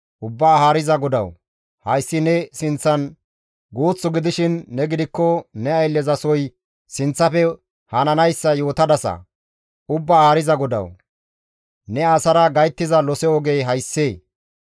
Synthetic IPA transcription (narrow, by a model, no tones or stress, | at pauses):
ʔʊbːaːhaːɾɪzɐɡɔd̪ɐ̰w | hɐjsːɪnɛsɪnt͡sːɐn | ɡoːt͡sːʊɡɪd̪ɪʃɪnːɛɡɪd̪ɪkːɔnɛɐjlːɛzɐsɔj | sɪnt͡sːɐpɛ | hɐnɐnɐjsːɐjo̞ːt̪ɐd̪ɐsɐ̰ | ʊbːaːhaːɾɪzɐɡɔd̪ɐ̰w | nɛaːsɐɾɐɡɐjt̪ːɪzɐlɔsɛɔɡe̞jɦɐjsːeː